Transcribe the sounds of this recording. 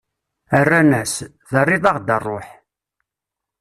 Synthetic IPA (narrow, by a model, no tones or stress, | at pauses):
ərːænæs | ðərˤːɪðˤɑʁd̪ərˤːoħ